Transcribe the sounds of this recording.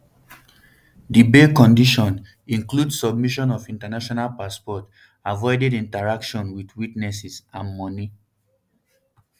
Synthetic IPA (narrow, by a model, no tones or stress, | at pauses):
dibekɔ̃ndiʃɔ̃n | ĩŋkludsɔb̚miʃɔ̃nɔvĩntanaʃɔnalpaspɔt | avɔɪdedĩntaɹakʃɔ̃nwidwitnɛsisãnmɔni